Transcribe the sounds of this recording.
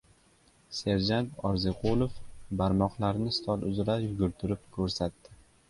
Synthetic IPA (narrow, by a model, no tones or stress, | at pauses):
se̞ɾd͡ʒant̪ɒɾzeqʰolˠofbaɾmɒqlˠaɾnɪst̪ʰɒlˠʔʊzɾajʊɡʲʊɾt̪ʰʊɾɪp̚kʰɵɾsat̪ːɪ